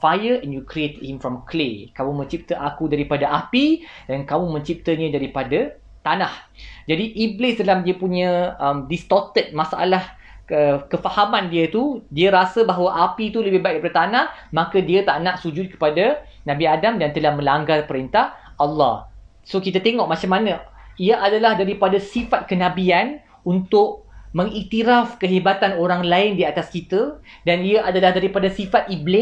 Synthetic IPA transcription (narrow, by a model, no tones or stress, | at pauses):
fajəɛnjukɾiet̪ət̚himfɾɔmklekamũmə̃ɲt͡ʃip̚t̪əʔakudaɾipadaʔapidankamũmə̃ɲt͡ʃip̚t̪əɲə̃daɾipada | t̪anahd͡ʒadiʔiblɪsdalamdiəpuɲə̃əmdist̪ɔt̪ət̪̚masaʔa̰lah | əkəfahamãndiət̪udiəɾasəbaɦawaʔapit̪uləbɪhbaiʔ̚kipadət̪anahmãkədiət̪aʔnaʔsud͡ʒʊt̪̚kə̥padanãbiadamdant̪əlahmə̃laŋɡarpəɾint̪ahɑlːɑ̰h | sokit̪at̪eŋɔʔmat͡ʃamanə̃iəʔadalahdaɾipadasifat̪̚kənãbian | unt̪ʊʔmə̃ŋit̪iɾafkəɦebat̪anoɾaŋlaɪndiat̪askit̪ə | daniəʔadalahdaɾipadasifat̪̚iblɪ